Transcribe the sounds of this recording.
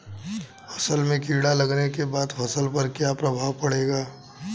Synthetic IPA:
fʰɐ̥səlmẽkiːɽalɐɡnekebaːd̪fʰɐsəlpɐɾkjapɾɐbʱaːʋpɐɽeːɡaː

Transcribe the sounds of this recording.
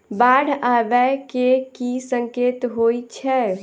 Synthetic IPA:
baɽ̤ʱabɛkekisəŋket̪ɦojt͡ʃʰɛ

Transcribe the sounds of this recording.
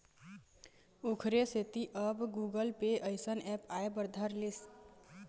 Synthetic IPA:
okʰɾeset̪iʔəbɡuɡəlpeʔəjsənɛpaebəɾd̪ʱəɾlis

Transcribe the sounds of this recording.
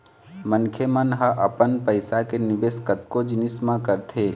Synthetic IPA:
mənkʰjemənɦəʔəpənpəɪsakenɪbeːskət̪̚kod͡ʒɪnɪsmãkəɾt̪ʰeː

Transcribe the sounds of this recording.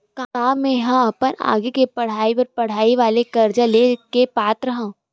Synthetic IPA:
kaaːmẽɦãɐpəna̰ːɡekepɐɽ̤aːipɐɾpɐɽ̤aːiʋaːlekɐɾd͡ʒalekepaːt̪ɾəɦãː

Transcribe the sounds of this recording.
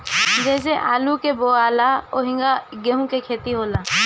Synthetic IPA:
d͡ʒɛːs̬eʔaːlukeboːaːlaoɦɪ̃ŋɡaɡeɦũkekʰeːt̪iɦoːlaː

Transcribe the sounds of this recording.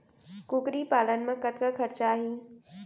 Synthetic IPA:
kukɾipaːlənmẽkət̪kəkʰɐɾt͡ɕaːɦĩː

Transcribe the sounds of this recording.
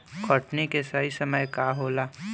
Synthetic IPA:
kʰɔʈnekesaisɐməjkaɦoːlaː

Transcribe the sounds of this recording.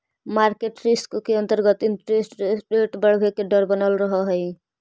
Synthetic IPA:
maɾkeʈɾiskkeənt̪əɾɡət̪inɾesʈsɾeʈbəɽ̤bʱekeɖəɾbənəlɾəɦɔɦɔj

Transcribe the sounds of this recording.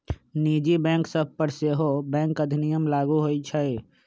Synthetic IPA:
niːd͡ʒibɛ̃ːŋksəb̚ʱpəɾseɦobɛ̃ːŋkəd̪ʱɪnijəmlaːɡuɦoit͡ʃʰəe

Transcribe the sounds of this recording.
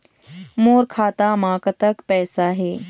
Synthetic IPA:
moːɾkʰaːt̪amãːkət̪əkpɛːsaɦeː

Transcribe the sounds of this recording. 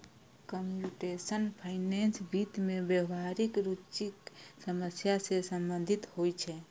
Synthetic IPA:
kəmpjuʈesənpʰainensbit̪mebjəʋɦaɾikɾut͡ʃiksəməsjasesəmbənd̪ʱit̪hojt͡ʃʰɛ

